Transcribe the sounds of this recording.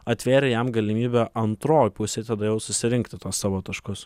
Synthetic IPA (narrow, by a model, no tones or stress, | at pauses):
ɐt̪ʲʋʲeːɾʲɛjɛmɡɐlʲɪmʲiːbʲɛːʔɐnt̪ɾoːjpʊsʲɛːt̪ɐd̪ɐjɛʊsʊsʲɪɾʲɪŋkt̪ʲɪt̪oːssɑːʋoːt̪ɐʃkʊs